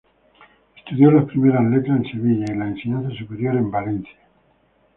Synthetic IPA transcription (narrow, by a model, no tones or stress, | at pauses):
e̥st̪uðjolaspɾimeɾazlet̪ɾaenseβiʎaelaenseɲãnθas̬upeɾjoɾembalenθja